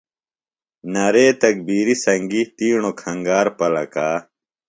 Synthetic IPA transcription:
nɐɾeːt̪ɐk̚biːɾisɐŋɡit̪iːɳokʰɐ̃ŋɡaːɾpɐlɐ̰kaː

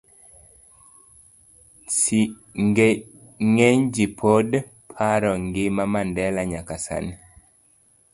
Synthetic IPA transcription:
si | ŋɡ | ŋɛɲd͡ʒipʰod | pʰaɾɔŋɡɪmamandɛlaɲakasa̰ni

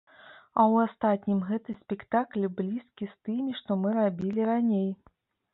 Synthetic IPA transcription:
ɐwast̪at̪ʲnʲimɣɛt̪ɨsʲpʲɛkt̪aklʲblʲiskʲist̪ɨmʲiʂt̪ɔmɨɾabʲilʲiɾanʲej

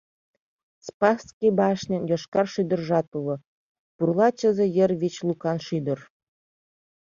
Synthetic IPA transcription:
spɑskʲibɑʃnʲɘ̆njoʃkɑrʃyd̪ə̆rʒɑt̪ulɤ̆ | purlˠɑt͡ɕə̆zĕjə̆rβit͡ɕlˠukɑnʃyd̪ɤ̆r

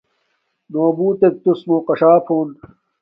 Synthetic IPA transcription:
noːbuːt̪ek̚t̪usmoːqɐʂaːpʰoːn

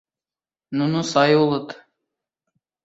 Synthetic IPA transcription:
nunusɑjulˠɤt̪

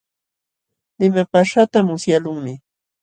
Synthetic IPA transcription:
lɪmapaʂat̪amʊsjalʊŋmɪ

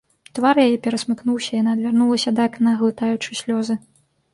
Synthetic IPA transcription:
t̪varjajɛpʲɛɾɐsmɨknuwsʲɐijanaɐd̪vʲarnulˠɐsʲɐd̪aknɐɣlˠɨt̪ajut͡ʂɨsʲlʲɔzɨ

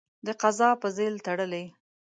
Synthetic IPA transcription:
d̪əqazɑpəzelt̪aɽəle

